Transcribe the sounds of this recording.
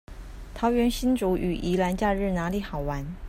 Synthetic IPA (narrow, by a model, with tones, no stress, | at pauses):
t̪ʰɑ˧˥ʊɥɛ˧˥nɕi˥nʈ͡ʂu˧˥ʔy̰˨˩ʔi˧˥la˧˥nt͡ɕja˥˧ɻɻ̩˥˩na˧˥li˧˥˦xɑ˨˩ʊwa˧˥˦n